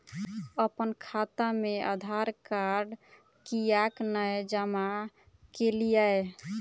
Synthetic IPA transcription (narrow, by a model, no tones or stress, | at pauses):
əpənkʰat̪ameʔə̰d̪ʱaɾkaɖ | kijaknajd͡ʒəma | kelijae